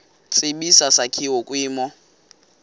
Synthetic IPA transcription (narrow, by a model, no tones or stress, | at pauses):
t͡sʼeɓisasakʰiwɔkʼwiːmɔ